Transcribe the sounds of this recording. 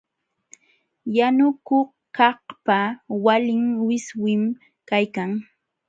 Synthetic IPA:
janʊkoχ | kɑhpawalɪŋwɪswɪm | kajkaŋ

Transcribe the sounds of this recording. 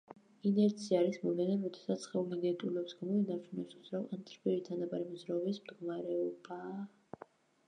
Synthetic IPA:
inɛɾt̪sʰiaːɾismɔlɛnaɾɔd̪ɛ̥sat̪sʰχɛulid̪ɛnt̪ʼulɛpsɡamɔinaɾt͡ʃʰunɛsuzɾavant̪ʼɾpʰʼiɾit̪ʰanabʼaɾimɔzɾaɔbismd̪ɡɔmaɾɛɔba

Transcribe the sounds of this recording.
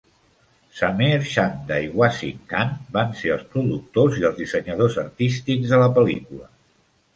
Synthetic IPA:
sameɾʃand̪aiɣwasḭŋkanbanseəlˠspɾuðuk̚t̪oziəlˠzðisəɲəðozəɾt̪ist̪iɡzðələpəlikulə

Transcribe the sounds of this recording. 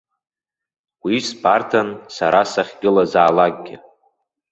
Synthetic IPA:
wispʰartʰansaɾasaχʲɡʲɪlazaːlaɡ̚ʼɡʲɪ

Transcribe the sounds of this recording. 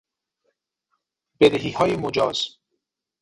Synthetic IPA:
b̥ed̪eɦiːhɒːjemod͡ʒɒ̰ːz̥

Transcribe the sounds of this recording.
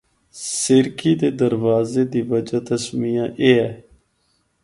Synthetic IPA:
sɪɾkiːd̪eːd̪əɾʋaːzeːd̪iːʋəd͡ʒaːt̪əsmiːãːʔeːɦɛː

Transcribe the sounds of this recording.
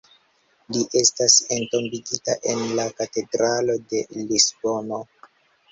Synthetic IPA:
liʔe̞stase̞nto̞mbiɡitaʔe̞nlakate̞dɾalo̞de̞lisbo̞no

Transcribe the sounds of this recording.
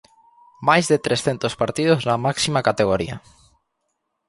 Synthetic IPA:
majzðet̪ɾesθent̪ospaɾt̪ið̞oznɐmaksimakat̪eɣ̞oɾḭɐ̰

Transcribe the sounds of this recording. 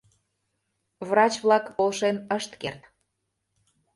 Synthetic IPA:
βrɑt͡ɕβlɑkpolʃenəʃt̪kert̪

